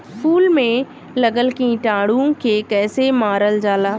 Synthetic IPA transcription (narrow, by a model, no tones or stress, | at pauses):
fuːlmẽ | lɐɡəlkĩʈaːɽũkʰeːkɛːsemaːɾəld͡ʑaːlaː